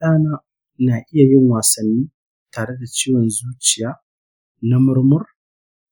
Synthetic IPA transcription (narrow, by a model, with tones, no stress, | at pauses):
ɗaː˦naː˦ | naː˨ʔɪ˦ja˨jɪ˦ŋwaː˨sɐ˨nːiː˦ | taː˨ɽe˦da˨t͡ʃiː˦wɔ˨nzuː˦t͡ʃɪ˨jaː˦ | na˦mʊ˦ɾmʊ˦r